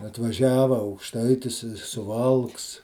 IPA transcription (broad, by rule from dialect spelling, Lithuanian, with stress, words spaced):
ɐtʋɐˈʒʲæːʋɐ ɐʊkˈʃtɐɪtʲɪs ɪ sʊˈʋɐlˠks